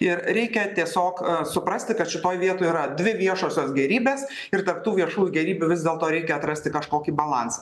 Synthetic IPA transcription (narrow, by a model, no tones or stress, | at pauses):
ɪɾɾʲɛɪkʲɛt̪ʲiɛsʲoːksʊpɾɐsʲt̪ʲɪkɐt̪ʃʲɪt̪oːjʋʲiɛt̪oːjiːɾɐd̪ʲʋʲɪʋʲiɛʃoːsʲoːsɡʲɛɾʲiːbʲeːs | ɪrt̪ɐɾp̚t̪uːʋʲiɛʃuːjʊɡʲɛɾʲiːbʲʊʋʲɪzd̪ʲeːlˠt̪oːɾʲɛɪkʲɛɐt̪ɾɐsʲt̪ʲɪkɐʃkoːkʲiːbɐlˠɐnsɐ̥